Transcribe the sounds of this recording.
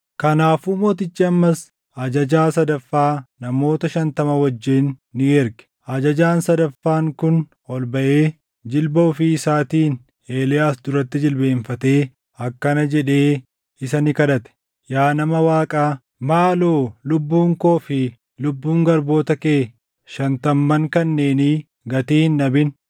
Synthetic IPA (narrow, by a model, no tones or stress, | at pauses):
kɐnaːfumoːt̪̬ɪt͡ʃːɪɐmːɐs | ɐd͡ʒɐd͡ʒaːsɐd̪ɐfːaːnɐmo̞ːt̪ɐʃɐnt̪ɐmɐwɐd͡ʒːɪnːɪɛɾɡɛ̥ | ɐd͡ʒɐd͡ʒaːnsɐd̪ɐfːaːŋkʊn | ɔlbɐʔe̞ː | d͡ʒɪlbɐɔfiɪsaːt̪iːn | e̞ːlɪjaːsd̪ʊɾɐt̪ːɪd͡ʒɪlbe̞ːɱfɐt̪e̞ː | ɐkːɐnɐd͡ʒɛᶑe̞ː | ɪsɐnɪkɐd̪ɐt̪ɛ̥ | jaːnɐmɐwaːkʼaː | maːloːlʊbːuːŋko̞ːfɪ | lʊbːuːŋɡɐɾbo̞ːt̪ɐkeː | ʃɐnt̪ɐmːɐŋkɐnːe̞ːni | ɡɐt̪iːhnːɐbɪn